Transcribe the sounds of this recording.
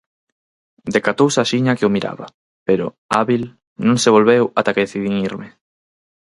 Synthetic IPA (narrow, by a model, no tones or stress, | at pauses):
d̪ekat̪owsaʃiɲakeʊmiɾa̰βa̰ | peɾʊ̰ | aβil | nũŋseβolβewat̪akeðeθiðiŋiɾmɪ